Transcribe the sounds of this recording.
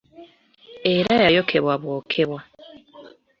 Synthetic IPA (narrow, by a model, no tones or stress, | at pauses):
e̞ɾajajo̞kʰe̞βwaβwoːkʰe̞βwa